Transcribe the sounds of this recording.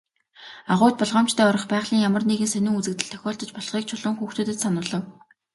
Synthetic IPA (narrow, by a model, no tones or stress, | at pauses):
aʁʊːt̪̚pɔɮʁɔːm̥t͡ɕt̪ʰæːʊɾɞ̆χpæːʁɮiːŋjamə̆rniɣɘ̆nsœnʲʊ̆ŋut͡sɘ̆kt̪ɘ̆ɮt̪ʰœ̥xʲɔːɬt̪ɞ̆t͡ɕpɔɮχiːk̚t͡ɕʰʊɮʊ̆ŋxuːxt̪ʰŭːt̪ɘ̆t̪sanʊːɮə̆w